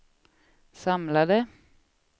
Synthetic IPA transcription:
sɑmlɑd̪ə

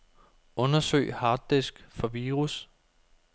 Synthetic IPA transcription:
ɔ̽nɐsø̰ɪhɑ̈ːd̥esɡ̥fɒ̽ʋiːʁus

